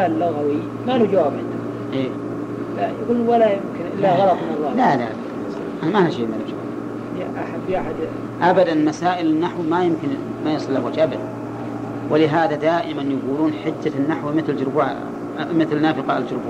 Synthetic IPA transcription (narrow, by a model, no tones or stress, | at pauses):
alːʊɣawi | maʔnud͡ʒawabʕɪnda | ʔeː | lajaɡuːlnwalajɪmkɪnɪlaɣɑlɑt̪mɪnɑlˤːɑːlalala | ʔamanaʃeːmalad͡ʒawa̰ːb | jaʔaħabːjaħad̪ | ʔabad̪anmasaːʔɪlɪnːaħwmajɪmkɪnmajɑsˤɨlːawaːd͡ʒʔabad̪ | wɪlɪɦaːðad̪aːʔɪmanjaɡuːluːnħɪd̪ːanːaħwimɪθld͡ʒʊɾbuːʕ | mɪθlnaːfɪqɑʔɪld͡ʒʊɾbuː